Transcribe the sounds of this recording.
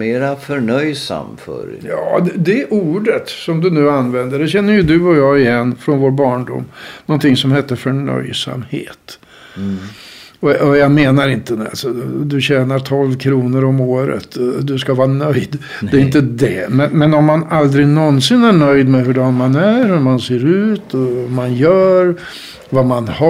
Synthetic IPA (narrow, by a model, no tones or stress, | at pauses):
meːɾafœɳœjsa̰mfœ̰ɾjɑ̰ːd̪ɛd̪ɛʔuːɖət̪sɔmd̪ɵnʉ̟ːanːvɛnd̪əɖɛɕɛnːəjɵd̪ɵɔjɑːɡɪjɛnːfɾɔnvoːɾbɑːɳɖʊ̰mːnɔnt̪ʰɪŋːsɔmhɛt̪ːəfœɳœ̰jsa̰mhḛːt̪ | ɔɔjɑɡmeːnaɾɪnt̪əd̪a̰lsɔd̪ɵɕɛːnaɾt̪ʰɔlvkʰɾuːnəɾɔmoːɾə̰t̪d̪ɵskavɑːnœjd̪ | d̪ɛɾɪnt̪əd̪ɛmɛnmɛnɔmːanald̪ɾɪnɔnsɪnæɳœjd̪mɛɦɵɖɔːnmanæɾhɵɾmanseːɾʉ̟ːt̪ʰɔmanjœːɾ | vamanha